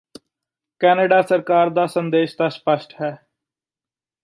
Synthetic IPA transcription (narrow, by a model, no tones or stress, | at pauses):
kɛːneːɖaːsəɾkaːɾd̪aːsənd̪eːʃt̪aːspəʃʈɦɛː